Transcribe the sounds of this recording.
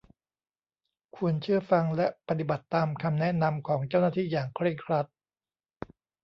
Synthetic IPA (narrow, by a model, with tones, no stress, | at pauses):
kʰu˧ənt͡ɕʰɯ˥˩ɐəfa˧ŋlɛ˦˥pa˧t̪i˨˩ba˨˩t̪ːaː˧mkʰa˧mnɛ˦˥na˧mkʰɔː˩˦ŋt͡ɕa˥˩wnaː˥˩t̪ʰiː˥˩jaː˨˩ŋkʰɾe˥˩ŋkʰɾa˦˥t̪̚